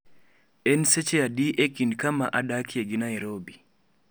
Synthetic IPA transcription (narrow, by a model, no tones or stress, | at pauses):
ɛnset͡ʃeadiʔekinkama̰ʔadakieɡinaiɾobi